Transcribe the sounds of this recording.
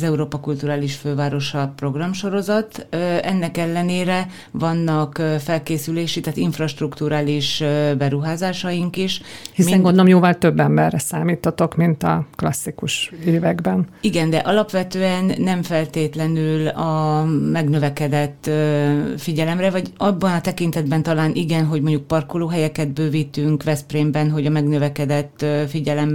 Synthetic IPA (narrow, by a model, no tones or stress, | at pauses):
zɛuɾoːpɒkult̪uɾaːliʃføːvaːɾo̞ʃɒpro̞ɡrɒmʃo̞ɾo̞zɒt̪ɛnːɛkɛlːɛneːɾɛ | vɒnːɒkfɛlkeːsyleːʃit̪aːt̪iɱfrɒʃt̪rukt̪uːɾaːliʃbɛɾuɦaːzaːʃɒjiŋkiʃhismiɛŋɡond̪olomjoːvɒlt̪øbːɛmbɛrːɛsaːmiːt̪hɒt̪o̞kmint̪ɒklɒsːikuʃeːvɛɡbɛniɡɛnd̪ɛʔɒlɒpʋɛt̪øːɛnːɛɱfɛlt̪eːt̪lɛnylɒmɛɡnø̞vɛkɛd̪ɛt̪ː | fiɟɛlɛmrɛvɒɟɒbːɒnɒt̪ɛkint̪ɛd̪̚bɛnt̪ɒlaːnʔiɡɛnɦo̞ɟmo̞ɲɟuk̚pɒrkoloːɦɛjɛkɛd̪bøːvit̪yŋkʋɛspreːmbɛnɦo̞ɟɒmɛɡnøvɛkɛd̪ɛt̪ːfiɟɛlɛm